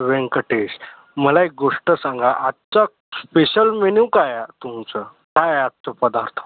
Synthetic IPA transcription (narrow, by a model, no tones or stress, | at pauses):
ʋẽŋkəʈeɕ | məlaek̚ɡoʂʈəsãŋɡaʔat̪t͡ɕa | speɕəlmeniwkajt̪umt͡sə | kajat̪̚t͡ɕɔpəd̪aɾt̪ʰ